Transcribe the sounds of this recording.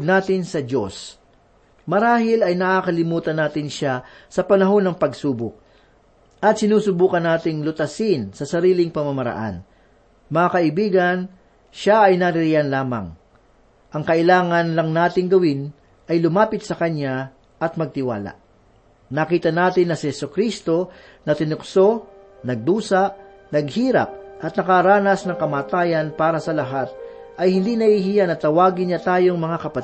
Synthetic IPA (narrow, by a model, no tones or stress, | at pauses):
ɡnaːt̪ɪnsɐd͡ʒos | mɐɾaːɦɪlɐjnɐʔakɐlɪmuːt̪ɐnːaːt̪ɪnʃasɐpɐnɐɦo̞nːɐŋpɐɡsuːbʊk̚ | ʔɐt̪̚sɪnuːsʊbuːkɐnːaːt̪ɪŋlʊt̪ɐsɪnsɐsɐɾiːlɪŋpɐmɐmɐɾɐ̰ʔa̰n | mɐŋakɐʔɪbiːɡɐn | ʃaɐjnɐɾɪɾianlaːmɐ̰ŋ | ʔɐŋkɐʔɪlaːŋɐnlɐŋnaːt̪ɪŋɡɐwɪn | ʔɐjlʊmaːpɪt̪̚sɐkɐɲa | ʔɐt̪mɐɡ̚t̪ɪwa̰ːla̰ʔ | nɐkiːt̪ɐnaːt̪ɪnːɐsɪhɛsʊkɾist̪o̞ | nɐt̪ɪnʊkso̞ | nɐɡ̚d̪uːsɐʔ | nɐɡ̚hiːɾɐ̰p̚ʔɐt̪̚nɐkaɾaːnɐsnɐŋkɐmaːt̪aːjɐnpaːɾɐsɐlɐɦat̪̚ʔɐjhɪnd̪inɐhiɦijanɐt̪ɐwaːɡɪnɲɐt̪aːjo̞ŋmɐŋakɐpɐt̪